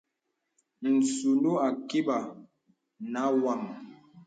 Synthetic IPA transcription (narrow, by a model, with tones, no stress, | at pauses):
n̩˨su˨ndu˦a˨ki˦ɓa˨ | na˨˦wa˦˨m